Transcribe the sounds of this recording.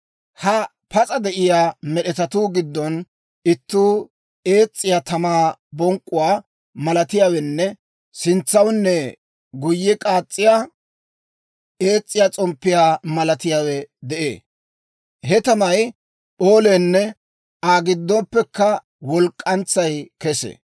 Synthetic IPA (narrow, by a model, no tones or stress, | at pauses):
hɐ | pɐt͡sʼɐd̪ɛʔɪjaːmɛɗɛt̪ɐt̪uːɡɪd̪ːɔn | ɪt̪ːuː | e̞ːt͡sʼːɪjaːt̪ɐmaːbɔŋkʼːʊwaː | mɐlɐt̪ɪjaːwɛnːɛ | sɪnt͡sːɐwnːɛ | ɡʊjːɛkʼaːt͡sʼːɪjaː | e̞ːt͡sʼːɪjaːt͡sʼɔmpːɪjaːmɐlɐt̪ɪjaːwɛd̪ɛʔḛː | hɛt̪ɐmɐj | pʼo̞ːlɛːnːɛ | aːɡɪd̪ːɔpːɛkːɐ | wɔlkʼːɐnt͡sːɐjkɛsḛː